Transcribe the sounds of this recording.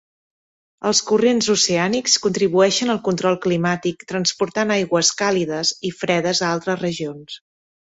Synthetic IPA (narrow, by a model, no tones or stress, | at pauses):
əlˠskurenzuseanikskunt̪ɾiβuɛʃənəlˠkunt̪ɾɔlˠklimat̪ik̚t̪ɾənspuɾt̪anajɣwəskaliðəzifɾɛðəzəalˠt̪ɾəzrəʒions